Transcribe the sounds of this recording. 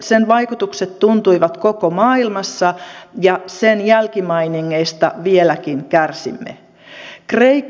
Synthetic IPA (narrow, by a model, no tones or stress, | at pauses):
senʋɑikut̪ukset̪tunt̪uiʋɑt̪kokomɑːilmɑsːɑjɑsenjælkimɑiniŋːeist̪ɑ̰ʋielækinkærsḭmːḛ | kreikː